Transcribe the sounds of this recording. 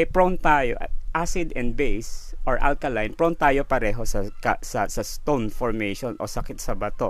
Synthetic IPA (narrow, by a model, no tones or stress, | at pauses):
ʔɐpɹont̪aːjoʔʔasɪd̪ɛ̃nd̪̚bejsʔoɹʔa̰lkɐlajnpɹont̪aːjopɐɾɛːɦo̞sɐkɐsɐsɐst̪onfɔɹmejʃonʔo̰sɐkɪt̪̚sɐbɐt̪o